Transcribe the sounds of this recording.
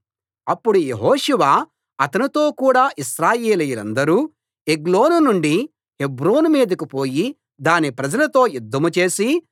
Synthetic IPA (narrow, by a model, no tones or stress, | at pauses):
ɐpːuɽuje̞ɦoːʂuʋa | ɐt̪ɐnit̪o̞ːkuːɽaːʔiʃɾaːjeːlɐjɐlɐ̰nd̪ɐɾuː | eɡlo̞ːnunuɳɖi | hebɾoːnumiːd̪ɐkupo̞ːji | d̪aːnipɾɐd͡ʒɐlɐt̪o̞ːjud̪ʱːɐmut͡ʃe̞ːsi